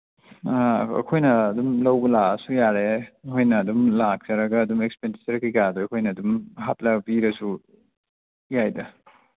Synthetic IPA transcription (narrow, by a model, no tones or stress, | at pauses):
ɐ̰kʰojnɐːdumlɐwbɐlaɐsujaɾehojnɐːdumlak̚t͡ʃɐɾɐɡɐːdumekspendisɐɾkikadojɐkʰojnɐɐdumɦap̚lɐbiɾɐsu | jajdɐ